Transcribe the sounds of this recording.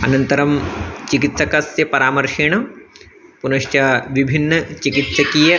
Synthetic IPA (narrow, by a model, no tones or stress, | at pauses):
ɐ̰nɐnt̪ɐɾɐmt͡ʃikit̪sɐkɐsjɐpɐɾaːmɐɾʃiɳɐ | punɐʃt͡ʃaʋibʱinːɐt͡ʃikit̪sɐkijɐ